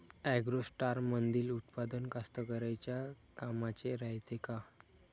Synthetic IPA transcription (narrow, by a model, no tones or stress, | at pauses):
ɛɡɾosʈaɾmənd̪iːlut̪pad̪ənkast̪əkəɾajt͡ɕja | kamat͡ɕeɾajt̪eka